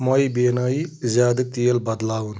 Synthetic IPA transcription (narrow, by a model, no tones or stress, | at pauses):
mɐibeːnaːizaːd̪ik̚t̪ijelbɐd̪laːwun